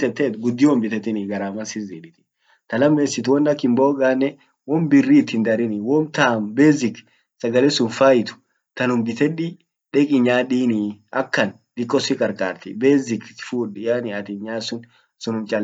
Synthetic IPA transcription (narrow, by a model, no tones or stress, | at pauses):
t̪ɛt̪ːeːt̪ɡʊd̪ːɪwɔmbɪt̪ɛt̪ɪnɪɡɐɾaːmɐnsɪziːᶑɪt̪ɪ̥ | t̪ɐlɐmːeːsɪt̪wɔnːɐkːɪmboːɡaːnːɛ | wɔmbɪrːiːt̪ːɪnd̪ɐɾɪnɪwɔmt̪aːmbeːzɪk | sɐɡɐlɛsʊnfaːjɪt̪ʊ̥ | t̪ɐnʊmbɪt̪ɛᶑɪ | ᶑɛkʼɪɲaːɗiːnɪɐkːɐn | d̪̥ɪkːɔsɪkʼɐɾkʼa̰ːɾt̪ɪbeːzɪkfuːᶑɪjaːnɪɐt̪ɪɲaːsʊn | sʊnʊmt͡ʃʼɐl